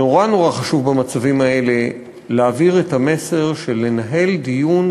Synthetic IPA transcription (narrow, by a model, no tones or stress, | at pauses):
o̞ʁano̞ʁaχaʃuvbamat͡savimae̞le̞ | leaviʁethame̞se̞ʁʃe̞le̞naɦe̞ldijun